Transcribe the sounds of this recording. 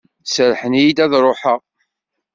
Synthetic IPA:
səɾħənjid̪æðɾˤoħəʁ

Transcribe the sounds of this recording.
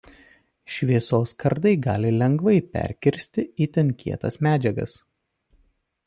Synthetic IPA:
ʃʲʋʲiɛsoːskʰɐɾd̪ɐɪɡɑ̰ːlʲɪlʲɛŋɡʋɐɪpʲɛ̰ɾʲkʲɪɾʲsʲt̪ʲɪiːt̪ʲɛnʲkʲḭɛt̪ɐsmʲæːd͡ʒʲɛɡɐ̰s

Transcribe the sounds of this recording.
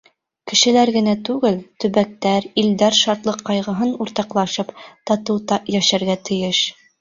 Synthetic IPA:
kɘ̆ʃɘ̆læɾɡɘ̆næt̪ʉɡɘlt̪ɵ̆βæk̚t̪æɾild̪æɾʃɑɾt̪lˠɤqːɑjʁɤ̆ɦɤnuɾt̪ɑqlˠɑʃɤpt̪ɑt̪ɤwt̪ɑjæʃæɾɡæt̪ʰɘ̆jɘʃ

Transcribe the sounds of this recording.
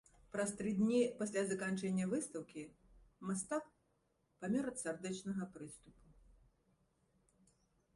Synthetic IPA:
pɾɐst̪ɾɨd̪ʲnʲipasʲlʲazɐkant͡ʂɛnʲːɐvɨst̪ɐwkʲimast̪ak | pamʲɛɾɐt̪sard̪ɛt͡ʂnɐɣɐpɾɨst̪upu

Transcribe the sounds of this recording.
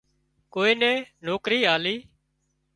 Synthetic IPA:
koːiːnɛ̃ːnoːkɾiːɦaːliː

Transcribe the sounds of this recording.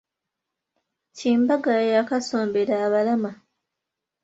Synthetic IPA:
ciːmbaɡajakasoːmbeɾaːβalama

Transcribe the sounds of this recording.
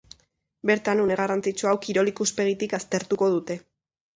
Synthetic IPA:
be̞ɾt̪anuneɣ̞arant͡sit͡ʃuawkiɾo̞likuspe̞ɣit̪ikast̪e̞ɾt̪uko̞ð̞ut̪e̞

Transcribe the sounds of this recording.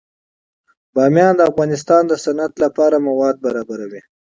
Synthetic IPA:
bɑːmjɑːnd̪əːfɣɑːnɪs̬t̪ɑːnd̪əsanat̪lapɑɾamawɑd̪̚baɾɑbaɾawi

